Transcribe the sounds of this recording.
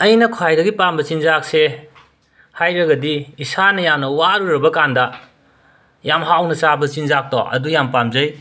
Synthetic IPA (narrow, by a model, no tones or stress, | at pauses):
ɐjnɐkʰwajɾɐɡipambɐt͡ʃinzak̚se | hajɾɐɡɐdiːsanɐjamnɐwaɾuɾɐbɐkandɐ | jamɦawnɐt͡ʃabɐt͡ʃinzak̚tɔ̰ʔɐ̰dujampamzɐj